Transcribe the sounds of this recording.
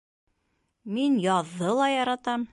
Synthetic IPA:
minjɒðːɤlˠɑjɒɾɑt̪ɑm

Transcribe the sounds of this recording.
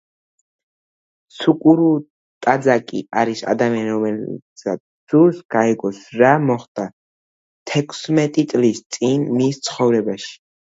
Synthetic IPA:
sukʼuɾu | t̪ʼad̪zakʼḭaɾisa̰d̪amianiɾɔmɛ | sa | z̥uɾsɡ̥aɛɡɔsɾamɔχd̪ʼa | t̪ʰɛkʰsmɛt̪ʼit̪sʼlist̪sʼinmist̪sʰχɔvɾɛbaʃi̥

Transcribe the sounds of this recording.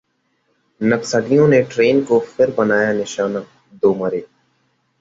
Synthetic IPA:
nəksəɖijõːneʈɾeːnkofʰɪɾbənaːjaːnɪʃaːnaː | d̪oːməɾeː

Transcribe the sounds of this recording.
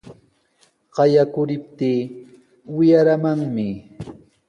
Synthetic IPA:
ɢɑjakʊɾɪp̚t̪iː | wɪjaɾamaŋmɪ

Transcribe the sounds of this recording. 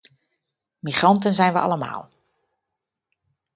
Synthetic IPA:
miχrɑntənzɛjnʋəʔɑ̰ləma̰ːlˠ

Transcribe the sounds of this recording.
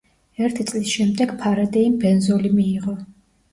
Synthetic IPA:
ɛɾt̪ʰit̪sʼlisʃɛmd̪ɛɡ̥pʰaɾad̪ɛimbɛnzɔlimiːʁɔ

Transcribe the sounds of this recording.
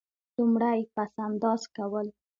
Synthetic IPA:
t͡sumɽajpasand̪ɑzkawəl

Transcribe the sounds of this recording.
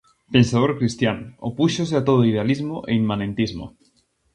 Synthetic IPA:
pensað̞oɾkɾist̪janopuʃos̬eat̪oð̞oið̞ealizmoʔeimːãnẽnt̪izmo̰

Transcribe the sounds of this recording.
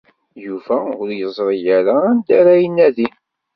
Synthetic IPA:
jufæʊɾjəzˤɾˤijaɾaːnd̪æɾæjənːæðin

